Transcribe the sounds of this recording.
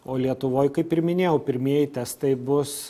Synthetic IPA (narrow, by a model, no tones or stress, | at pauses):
oːlʲiɛt̪ʊʋoːjkɐɪpɪɾmʲɪnʲeːjɛʊpʲɪɾʲmʲiɛjɪt̪ʲɛst̪ɐɪbʊs